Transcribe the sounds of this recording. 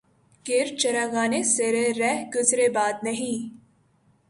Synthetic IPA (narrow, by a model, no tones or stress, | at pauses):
keɾt͡ʃɐɾaːɡaːneseɾeɾɛɦɡʊzɾebaːd̪̚nɐɦĩ